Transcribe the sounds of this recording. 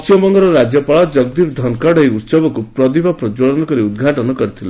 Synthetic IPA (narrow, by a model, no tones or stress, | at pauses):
sijɔmɔŋɡɔɾɔɾad͡ʒjɔpaɭɔd͡ʒʌɡd̪ibd̪ʱɔnkɔɽɔiut̪sɔbɔkupɾɔd̪ibʱɔpɾɔd͡ʒɔɭɔnɔkɔɾiud̪ɡʱaʈɔnɔkɔɾit̪ʰila